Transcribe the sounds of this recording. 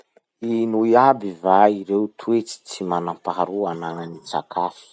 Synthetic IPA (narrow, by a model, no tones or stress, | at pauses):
inuiabivaiɾewt̪ʰuet͡si̥t͡simanampaɾuanananit͡sa̰kʰafi̥